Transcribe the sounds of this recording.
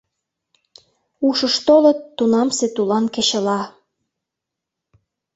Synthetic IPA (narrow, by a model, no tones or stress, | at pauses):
uʃəʃt̪olə̆t̪ːunɑmset̪ulɑnkĕɕə̆lɑ